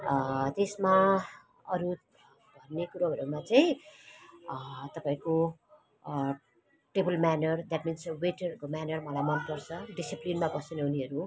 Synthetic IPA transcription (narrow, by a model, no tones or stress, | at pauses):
t̪esma | ʌɾu | bʱʌnːekuɾoɦʌɾumat͡saĩ | t̪ʌpãĩko | ʈebʌlmanʌrd̪aʈminsweʈʌukomanʌrmʌlajmʌnkʌrt͡sʰʌɖisiplinmabʌsnʌuniɦʌɾu